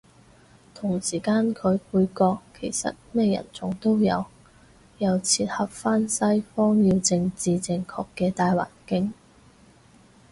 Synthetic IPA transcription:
t̪ʰʊ˨˩ŋsiː˨˩kaː˥nkʰɵ˨˧ɥpuː˨˧jkɔː˧kʰːe˨˩jsɐ̰˨t̚mɛː˥jɐ̰˨˩nt͡sʊ˨˥ŋt̪o˥wjɐ̰˨˧w | jɐ˨˧wt͡sʰiː˧t̚hɐ˨p̚faː˥nsɐ˥jfɔː˥ŋji˧wt͡sɪ˧ŋt͡siː˨t͡sɪ˧ŋkʰɔː˧kːɛː˧t̪aː˧jwa̰ː˨˩nkɪ˥ŋ

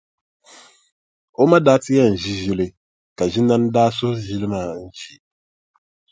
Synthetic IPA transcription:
o˦ma˦daː˦tɪ˦jɛ˦n̩˨ʒi˦ʒi˦lɨ˨ | ka˨ʒi˦na˦n˦daː˦sʊ˦ʒi˦lɨ˦maː˦˨˦n̩˦t͡ʃi˦

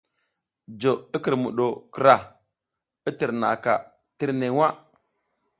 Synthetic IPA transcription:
d͡ʒo˨i˦ki˨ɾmṵ˨ɗo˨ki˨ɾa˨ | i˦ti˨ɾna̰˨ka̰˨ | ti˦ɾne˨˦wa˦

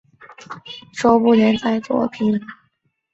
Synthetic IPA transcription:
ʂɔ˥pu˥˩ljɛ˧˥nt͡sa˥˩ɪt͡swɔ̰˧˥pʰi˧˥n

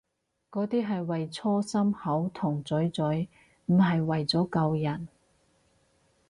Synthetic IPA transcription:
kɔː˨˥t̪iː˥ɦɐ˨jwɐ˨jt͡sʰɔː˥sɐ˥mhɐ˨˥wt̪ʰʊ˨˩ŋt͡sɵ˨˥ɥt͡sɵ˨˥ɥ | m̩˨˩ɦɐ˨jwɐ˨jt͡sɔː˨˥kɐ˧wjɐ˨˩n

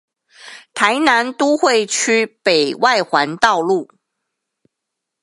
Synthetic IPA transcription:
t̪ʰa˧˦ɪna˧˦nt̪u˦xwe˥˨ɪt͡ɕʰy˥pe˨˩ɪwʔa˥˨ɪxwa˧˦nt̪ɑ˥˧ʊlu˥˨

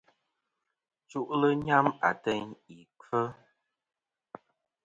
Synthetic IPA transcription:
t͡ʃu˦ʔlə˦ɲa˦ma̰˨tɛ˦ɲi˨kə˦

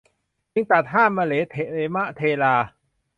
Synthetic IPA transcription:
t͡ɕi˧ŋt̪a˨˩t̪̚ɦaː˥˩˨mmaː˧leː˨˦t̪ʰe˨leː˨˦ma˦˥ʔt̪ʰeː˧laː˧

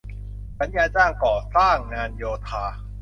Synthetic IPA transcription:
ba˨˦njaː˧t͡ɕaː˥˩ŋkɔː˨˩saː˥˩ŋːaː˧njoː˧t̪ʰaː˧

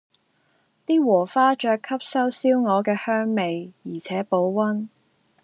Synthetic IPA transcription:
t̪iː˥wɔː˨˩faː˥t͡ʃœː˧kʰːɐ˥p̚sɐ˥wsiː˥wŋɔː˨˧kɛː˧hœː˥ŋme˨jjiː˨˩t͡sʰɛː˨˥po˨˥wwɐ˥n

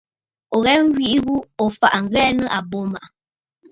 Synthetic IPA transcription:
ɔ˨ɣɛ˦ŋ˦ɡɥi˦ʔɣu˦ɔ˨fa̰˨ʔŋ̩˨ɡɛː˦nə˦ʔa˨bo˦ma˨ʔ

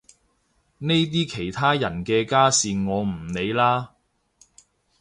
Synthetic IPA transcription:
ne˥jt̪̬iː˥kʰe˨˩jt̪ʰaː˥jɐ˨˩nkɛː˧kaː˥siː˨ŋɔː˨˧m̩˨˩ne˨˧jlaː˥

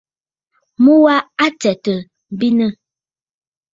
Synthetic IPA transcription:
mu˦wa˦a˦tɛ˨tə˨ | m˨bi˦nə˦˨

